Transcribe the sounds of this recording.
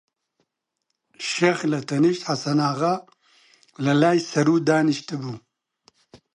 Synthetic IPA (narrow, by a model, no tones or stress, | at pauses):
ʃeːxlɐt̪ʰɛnɪʃt̪ħasɐnaːɣɐ | lɐlaːjsɐɾuːd̪aːnɨʃt̪ɨbuː